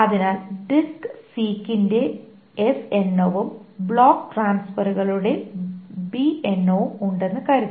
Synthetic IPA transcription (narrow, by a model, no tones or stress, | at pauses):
ɐðinaːlɖiksiːkːinde̞ | esenːoʋumbɭoːkːʈraːnsfɐɾuɣɐɭuɽe̞bienːoːuɳɖe̞nːɨkaːɾit̪ː